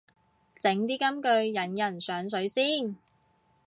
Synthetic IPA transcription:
t͡sɪ˨˥ŋt̪iː˥kɐ˥mkɵ˧ɥjɐ˨˥njɐ˨˩nsœː˨˥ŋsɵ˨˥ɥsiː˥˩n

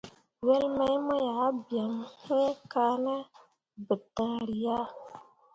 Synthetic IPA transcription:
wɛ˦lmɛ˦jmɔ˦ja˨˦bja˨ŋhẽ˦ka˦nə˦ | bə˨tã˨˦ɾi˨ja˦

